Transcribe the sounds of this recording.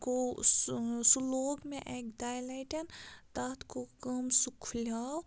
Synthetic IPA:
ko | suloːɡmẽʔekd̪aːjlɐʈɐnt̪at̪ʰkokəmsukʰlʲaːw

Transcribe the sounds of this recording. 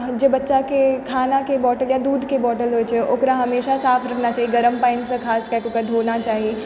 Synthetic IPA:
d͡ʒebɐtːʃakekʰaːnakebɔːʈəljad̪uːd̪ʱkebɔːʈəlɦoːet͡ʃeʔokɾaɦɐmeːʃasaːfʰɾɐkʰnat͡ʃaːɦieɡɐɾəmpãːɪnsə̃kʰaːskakokəd̪ʱoːnat͡ʃaːɦie

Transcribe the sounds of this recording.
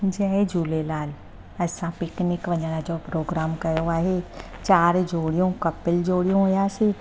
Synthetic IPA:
d͡ʒɛːed͡ʒuːlelaːl | ɛsãpɪknɪkʋɐɲanad͡ʒoːpɾoːɡɾaːmkɐjoaːɦet͡ʃaːɾd͡ʒoːɽijõkɐpːɪld͡ʒoːɽijõjaːsi

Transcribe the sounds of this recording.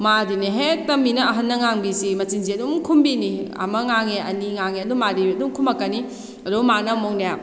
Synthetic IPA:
madineɦetɐminɐɐɦɐnːɐŋaŋbisimɐt͡ʃinziɐdumkʰumbiniɐ̰mɐŋaŋeɐniŋaŋeɐdumadiɐdumkʰumɐkːani | ɐdumanɐmoŋnaja

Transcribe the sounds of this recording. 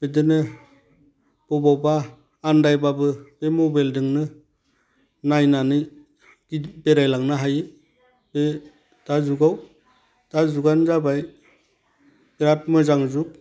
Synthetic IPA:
b̥edɯnɯ | b̥ɔbawbaː | ndajbabɯb̥emɔbeldɯŋnɯ | najnanɯ | dibeɾajlaŋnaɦajɯ | be | d̥azuɡaw | tazuɡanzabaj | ɡ̥ɾap̚mɯzaŋzuk̚

